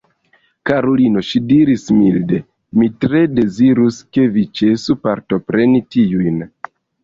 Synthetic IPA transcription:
kaɾolinoʃidiɾismilde̞ | mitɾe̞de̞ziɾuske̞vit͡ʃe̞supaɾto̞pɾe̞nitiujn

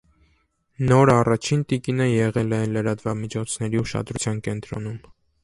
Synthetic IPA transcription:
nɔɾɑrɑt͡ʃʰint̪ikinəjɛʁɛlɛləɾɑt̪vɑmit͡ʃʰɔt͡sʰnɛɾiuʃɑ̰d̪ɾut͡sʰjɑnkɛnt̪ɾɔ̰num

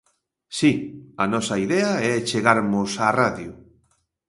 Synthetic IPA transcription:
siɐnɔsɐiðɛaɛt͡ʃeɣaɾmʊsaraðju

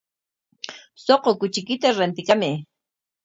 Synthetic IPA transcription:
soqokʊt͡ʃɪkɪt̪aɾant̪ɪkamɪ

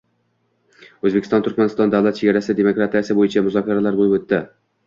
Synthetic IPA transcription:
ɵzbekʲʰɪst̪ɒnt̪ʰʊɾkʲmanɪst̪ɒnd̪awlˠat̪̚t͡ʃʰeɡʲaɾasɪd̪emokɾat̪ʰijasɪbojɪt͡ʃʰamʊzɒkʲʰaɾalaɾbojɪbot̪ːɪ

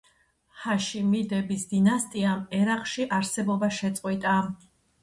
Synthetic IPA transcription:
haʃimid̪ɛbisd̪inast̪ʼiamɛɾaqʼʃiʔaɾsɛbɔbaʃɛt̪sʼqʼwit̪ʼa

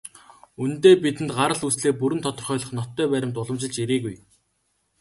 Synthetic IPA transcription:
unt̪eːpit̪ɘ̆nt̪ɢaɾə̆ɮusɮeːpuɾɘ̆nt̪ʰɔt̪ɞ̆rχœːɮɞ̆χnɔt̪ːœːpæɾʲɪ̆mt̪ʊɮə̆mt͡ɕɪ̆ɮt͡ɕeɾeːɣuj

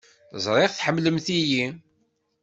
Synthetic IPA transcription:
θəzˤɾˤɪʁθħəmːləmθiji

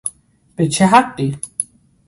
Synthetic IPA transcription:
b̥et͡ʃʰeɦaq̚ːi

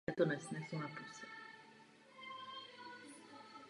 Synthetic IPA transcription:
ɛt̪ɔnɛsnɛsunapusɛ

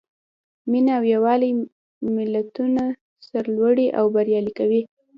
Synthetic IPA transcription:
minaːwjawɑli | mɪlat̪una | saɾlwaɽiʔawbaɾjɑlikawi

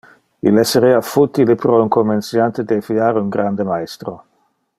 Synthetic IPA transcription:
ḭlɛseɾeafut̪ilepɾɔuŋkomːensjant̪ed̪efiaɾeuŋɡɾand̪emaest̪ɾo

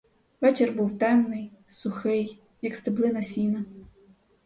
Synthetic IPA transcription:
ʋɛt͡ʃerbuwt̪ɛmnɪjsʊxɪj | jɐkst̪ɪblˠɪnɐsʲinɐ

